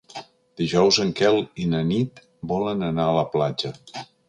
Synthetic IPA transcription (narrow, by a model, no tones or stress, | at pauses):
d̪̥iʒɔwzəŋkɛlˠinənit̪ | bɔlənənaələplad͡ʒə